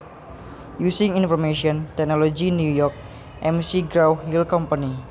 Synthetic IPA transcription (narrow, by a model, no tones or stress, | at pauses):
jusɪŋinfɔrmeʃiɔnt̪ɛk̚nɔlod͡ʒinjujɔk̚ | ʔɛmsiɡɾawhilkɔmpani